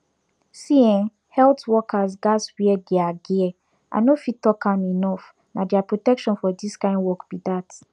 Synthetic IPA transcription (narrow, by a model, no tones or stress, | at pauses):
siɛ̃n | hɛltwɔkʰazɡaswiɛɡɛaɡiɛ | ʔã̰nofitɔkãninɔf | nadiapɹotɛkʃɔ̃nfɔdiskãɪ̃ndwɔkbidat